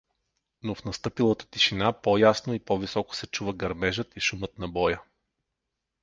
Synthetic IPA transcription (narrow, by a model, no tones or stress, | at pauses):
nofnɐst̪ɤpilˠət̪ə̥t̪iʃinapɔjasnoipɔvisɔkʊ̥sɛt͡ʃuvəɡɐɾmɛʒət̪iʃumət̪nɐbɔjə